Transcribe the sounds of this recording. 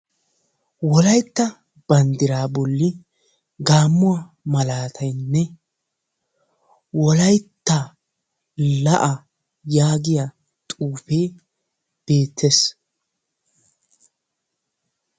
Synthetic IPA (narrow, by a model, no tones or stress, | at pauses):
wɔlɐjt̪ːɐ | b̥ɐnd̪ɪɾaːbɔlːɪ | ɡaːmːʊwa | mɐlaːt̪ʰɐjnːɛ | wɔlɐjt̪ːɐ | lɐʔɐ | jaːɡɪja | t̪ʼuːpeː | b̥e̞ːt̪ʰːes